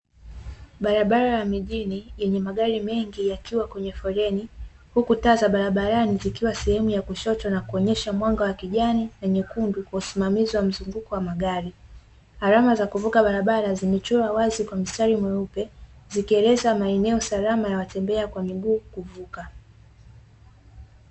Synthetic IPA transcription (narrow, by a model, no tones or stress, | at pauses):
ɓaɾaɓaɾajamiʄinijɛɲɛmaɠaɾimɛŋɡijakiwakwɛɲɛfɔɾɛni | hukutaːzaɓaɾaɓaɾanizikiwasɛhɛmujakuʃɔt͡ʃwanakuɔɲɛʃamwaŋɡawakiʄaninaɲukundukwausimamiziwam̩zuŋɡukɔwamaɠaɾi | haɾamazakuvukaɓaɾaɓaɾazimɛt͡ʃɔɾawazikwam̩staɾimwɛupɛzikiɛlɛzamaɛnɛɔsalamajawatɛmbɛakwamiɡuːkuvuka